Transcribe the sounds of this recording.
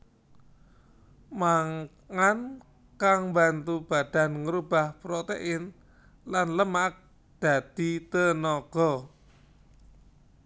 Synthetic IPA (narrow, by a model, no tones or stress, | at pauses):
maŋ | ŋan | kaŋmbant̪ub̥a̤d̪̥a̤nŋəɾub̥a̤hpɾot̪ḛʔɪn | lanləmak̚ | d̪̥ä̤d̪̥i̤t̪ənɔɡ̥ɔ